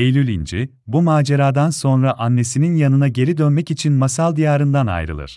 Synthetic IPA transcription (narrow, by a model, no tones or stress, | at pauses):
ejlʲylʲind͡ʒi | bumaːd͡ʒeɾaːd̪anso̞nɾaʔanːe̞sininjanɯnaɟe̞ɾid̪ønmɛcit͡ʃʰinmasalˠd̪ijaːɾɯnd̪ana̰jɾɯ̰lˠɯ̰ɾ̥